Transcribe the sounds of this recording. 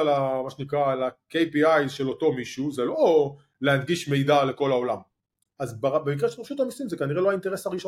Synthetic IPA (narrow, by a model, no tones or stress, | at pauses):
lamaʃenikʁalakejpiajʃe̞lo̞to̞miʃuzelo | leadɡiʃme̞jdale̞ko̞lao̞lam | azbabemikʁeʃelpeʃut̪amisimzekaniʁeloainteʁesaʁiʃo